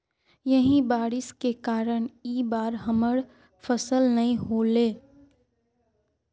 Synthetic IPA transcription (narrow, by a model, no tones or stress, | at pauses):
jɐɦĩbaːɽɪskekaːɾəɽ̃iːbaːɾɦɐməɽ | fʰəsəlnɐɦĩɦoːleː